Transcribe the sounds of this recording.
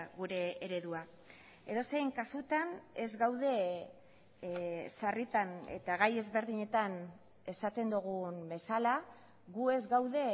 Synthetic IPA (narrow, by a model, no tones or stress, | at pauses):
ɣuɾe̞eɾe̞ðua | e̞ðo̞se̞ŋkasut̪ane̞zɡawðe̞ | sarit̪ane̞̰t̪aɣaje̞zβe̞ɾðiɲe̞t̪an | e̞sat̪e̞nd̪uɣ̞umbe̞sala | ɣue̞zɡawðe̞